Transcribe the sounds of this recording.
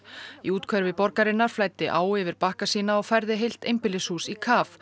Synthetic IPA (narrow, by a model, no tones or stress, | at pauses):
iuːt̪kʰvœɾvɪpɔɾkaɾɪnːaɾ̥flaːjt̪ːɪʔaːwɛvɪɾpahkasiːnaɔɣfɛɾðɪɦejl̥t̪ejmpɪlɪshuːsikʰaːf